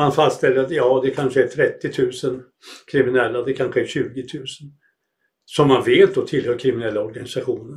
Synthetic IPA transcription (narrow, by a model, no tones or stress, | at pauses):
anfast̪st̪ɛlːəɾat̪jɑːd̪ɛkʰanʂəæt̪ʰɾɛt̪ːɪt̪ʰʉ̟ːsən | kʰɾɪmɪnɛlːad̪ɛkʰanɧəæɕʉ̟ːɡɪt̪ʰʉ̟ːsə̥n | sɔmːanveːt̪̚d̪ɔt̪ʰɪlhœːɾkʰɾɪmɪnɛlːaɔɾɡanɪsaɧuːnə